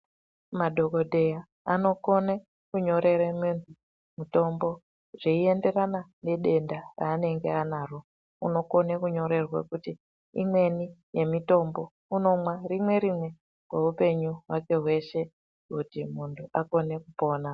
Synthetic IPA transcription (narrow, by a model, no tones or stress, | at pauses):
maɗʱo̞kodʱe̞ja | ano̞ko̞ne | kuɲo̞ɾe̞ɾemuntʰu | muto̞mbo̞ | ʐ̥eie̞nde̞ranane̞ɗe̞ndaraːne̞ŋɡeanaro | uno̞ko̞nekuɲo̞ɾe̞rwa̰kuti | ḭmwe̞nije̞mito̞mbo̞ | uno̞mwarimwe̞ɾimwe̞ | kweupe̞ɲuɦwake̞ɦwe̞ʃe̞ | kutimuntʰuako̞ne̞kupo̞ːna